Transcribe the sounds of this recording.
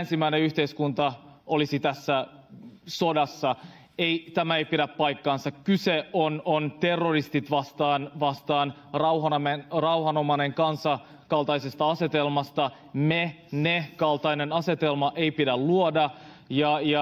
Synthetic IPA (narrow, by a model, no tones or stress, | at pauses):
nsimæjneyçt̪eiskunt̪ɑʔolisit̪æsːæ | so̞dɑsːɑ | ejt̪æmæeipidæppɑjkːɑːnsɑkkyseonont̪erːorist̪it̪ʋɑst̪ɑːnʋɑst̪ɑːn | rɑwhɑnmenrɑuhɑno̞mɑne̞ŋkɑnsɑ | kɑlt̪ɑisest̪ɑɑse̞t̪e̞lmɑst̪ɑ | me | nekɑlt̪ɑinenɑse̞t̪elmɑʔe̞jpidælluodɑ | jɑjɑ